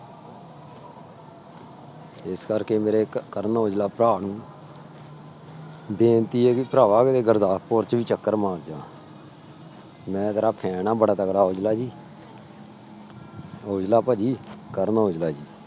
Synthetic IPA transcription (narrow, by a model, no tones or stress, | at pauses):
ɪskəɾkeːmeːɾeːkəɾnɦoːd͡ʒlaːpɾaːnũː | beːnt̪iːɦɛːkipɾaːʋaːkɪt̪eːɡəɾd̪aːpoːɾt͡ʃbiːt͡ʃəkːəɾmaːɾd͡ʒãː | mɛ̃ːt̪əɾaːpʰɛːnaːbəɽaːt̪əkɽaːɦoːd͡ʒlaːd͡ʒiː | ɦoːd͡ʒlaːpad͡ʒiːkəɾnːoːd͡ʒlaːd͡ʒiː